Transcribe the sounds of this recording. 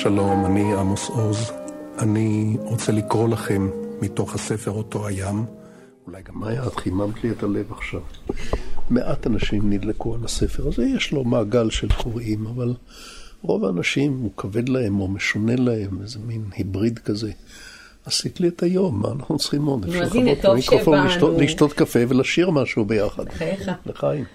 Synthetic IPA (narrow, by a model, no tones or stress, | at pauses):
ʃalo̞maniamosozʔaniʁot͡selikʁo̞laχemːito̞χhase̞feʁoto̞ajam | ulajɡamajad̪̥χimamt̪liet̪ale̞vaχʃav | meʔatanaʃimnid̪lekualase̞feʁazejeʃlo̞maːɡalʃelkʰoʁimaval | ʁo̞vaːnaʃimukʰave̞d̪lahe̞mo̞meʃone̞lahe̞mezeminhibʁid̪kaze̞ | asit̪lietajo̞mːa̰ːnaχnut͡sχimod̪efʃaotmikʁofolioliʃt̪o̞t̪kafe̞velaʃiʁmaʃuubejaχad̪veχaim